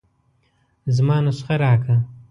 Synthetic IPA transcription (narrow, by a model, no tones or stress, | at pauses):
zmɑːnasxaɾɑːkʰa